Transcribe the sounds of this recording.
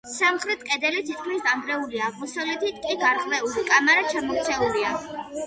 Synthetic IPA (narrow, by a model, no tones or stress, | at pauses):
samχɾɛt̪̚ʰkʼɛd̪ɛlit̪ʰit̪kʰmisd̪ambɾɛuliaʁmusɔlɛt̪ʰit̪ʼkʼiɡaɾʁvɛulikʼamaɾat͡ʃʰamɔk̚ʰt̪sʰɛulia